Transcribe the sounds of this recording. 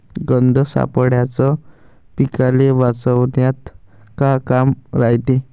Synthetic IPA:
ɡənd̪ʱəsa̰pəɽjat͡sɔ | pikaleʋat͡səwnjat̪kakamɾajt̪e

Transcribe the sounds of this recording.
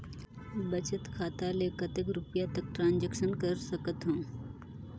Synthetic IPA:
bɐt͡ʃət̪kʰaːt̪alekɐt̪ekɾʊpjat̪ək̚ʈɾãːnd͡ʒəkʃənkəɾsɐkət̪ɦũː

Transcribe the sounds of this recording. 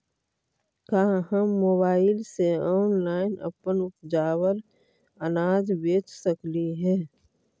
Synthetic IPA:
kaːhəmːoːbaːɪlseɔːnlaːɪnə̰pənʊt̪d͡ʒaːwəl | ənaːd͡ʒbeːt͡ʃsəkliɦɛː

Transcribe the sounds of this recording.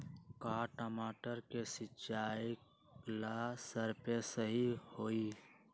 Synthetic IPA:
kaːʈəmaːʈəɾkesɪt͡ʃaːik | lasəɾpesəɦihoːi

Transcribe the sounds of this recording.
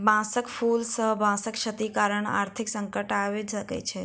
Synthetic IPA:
bãːsəkpʰulsəɦbãːsəkʃət̪ikaːɾəɳa̰ːɾt̪ʰɪksə̃ŋkəʈaʋed͡ʒəkḛt͡ʃʰe

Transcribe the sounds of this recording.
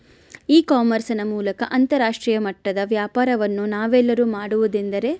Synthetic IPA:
iːkaːmɐɾsɐnɐmuːlɐkɐʔɐnt̪ɐɾaːʂʈɾiːjɐmɐʈːɐd̪ɐʋjaːpaːɾɐʋɐnːunaːʋɛlːɐɾuːmaːɽuʋud̪ind̪ɐɾe̞

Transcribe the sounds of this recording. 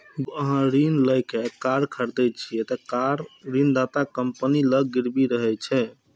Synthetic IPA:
ɡəɦãɾinləjkekaɾkʰəɾd̪ɛt͡ʃʰiɛt̪əkaɾːind̪at̪akəmpəniləɡiɾbiɾəɦɛt͡ʃʰɛ

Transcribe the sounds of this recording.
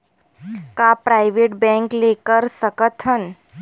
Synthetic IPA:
kapɾajʋeʈ̚bɛ̃ŋklekəɾsəkət̪ʰən

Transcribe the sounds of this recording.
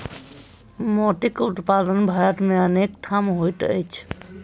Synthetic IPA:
mɔʈ̪ikut̪pad̪ənbʱajʈmeənekʈ̪ʰamɦojʈə̰jt͡ʃʰ

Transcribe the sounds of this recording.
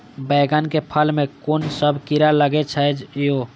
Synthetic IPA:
bəɡənkepʰəlmekoːnsəbʱkiɾaləɡet͡ʃʰəd͡ʒjo

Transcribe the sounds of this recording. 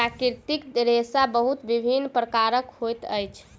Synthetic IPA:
ɾakiɾt̪ikdɾesabəɦut̪ʋibʱinːpɾəkaɾəkɦhojt̪əjt͡ʃʰ

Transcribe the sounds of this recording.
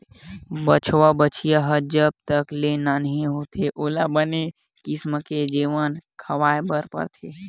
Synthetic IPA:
bət͡ʃʰʋabət͡ʃijaɦəd͡ʒəb̚t̪əklenanəɦĩɦot̪ʰeʔoːlabəne | kisməked͡ʒeːʋənkʰəʋaːebəɾpə̰ɾt̪ʰe

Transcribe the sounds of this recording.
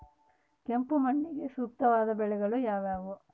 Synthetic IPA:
ke̞mpumɐɳːiɡe̞ʃuːk̚t̪ɐʋaːd̪ɐbɛɭɛɡɐɭujaːʋaːʋu

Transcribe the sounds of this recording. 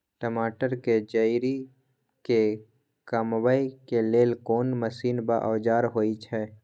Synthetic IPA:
ʈəmaːʈəɾked͡ʒəiɾi | ke | kaːmʋaːikeleːlkoːnməsiːnbaʔɔːd͡ʒaːɾɦoːit͡ʃʰɛː

